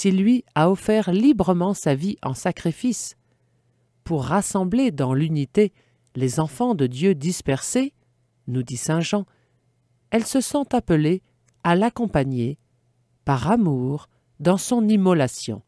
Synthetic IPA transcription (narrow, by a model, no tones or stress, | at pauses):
silɥiaɔfɛʁlibʁəmɑ̃saviʔɑ̰̃sakχifis | puʁːasɑ̃bled̪ɑ̃lynit̪e | lezɑ̃fɑ̃d̪əd̪jød̪ispɛʁse | nud̪isɛ̃ʒɑ̃ | ɛlsəsɔ̃t̪apəle | alakɔ̃paɲe | paʁamuʁ | d̪ɑ̃sɔ̃nimɔlasjɔ̰̃